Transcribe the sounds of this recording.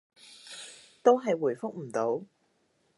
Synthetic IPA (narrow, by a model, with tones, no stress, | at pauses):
t̪o˥wɦɐ˨jwu˨˩jfʊ˥k̚m̩˨˩t̪o˨˥w